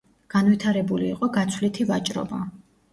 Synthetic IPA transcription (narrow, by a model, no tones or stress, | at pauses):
ɡ̥anvit̪ʰaɾɛbuliːqʼɔɡat̪sʰwlit̪ʰivat͡ʃʼɾɔ̰ba